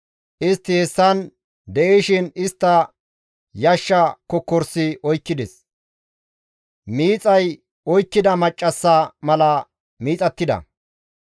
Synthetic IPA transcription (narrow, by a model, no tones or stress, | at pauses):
ʔɪst̪ːɪhɛsːɐn | d̪ɛʔeʃɪnɪst̪ːɐ | jɐʃːɐkɔkːɔɾsɪʔɔjkːɪd̪ɛs | miːt͡sʼɐj | ɔjkːɪd̪ɐmɐt͡ʃʼːɐsːɐmɐlɐ | miːt͡sʼɐt̪ːɪd̪ɐ̰